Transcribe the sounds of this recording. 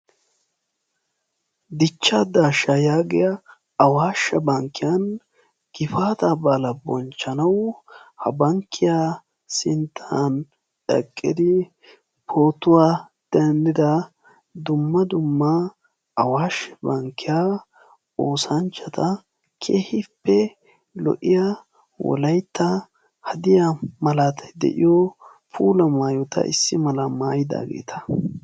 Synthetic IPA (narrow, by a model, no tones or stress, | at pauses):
d̪ɪt͡ʃːad̪aːʃːɐjaːɡɪjɐ | ɐwaːʃːɐbɐŋkːɪjɐn | ɡ̥ɪfaːt̪ɐbɐlɐbɔnt͡ʃːɐnɐwhɐbɐŋkːɪjaː | sɪnt̪ʰːaan | ᶑɛ̰kʼːɪd̪ɪ | pʰo̞ːt̪ʊwaː | d̪̥ɛnd̪ɪd̪ɐ | d̪ʊmːɐd̪ʊmːɐ | ɐwaːʃbɐŋkːɪja | oːsɐnt͡ʃːɐt̪ɐ | kʰeːhɪpːɛ | lɔ̰ʔɪja | wɔ̰lɐjt̪ːɐ | hɐd̪ɪjamɐlaːt̪ʰɐ̥d̪ɛ̰ʔɪjɔ | pʰuːlɐmaːjʊt̪ɐ̰ʔɪ̰sːɪmɐlɐmaːjɪd̪a̰ːɡḛːt̪ʰɐ̥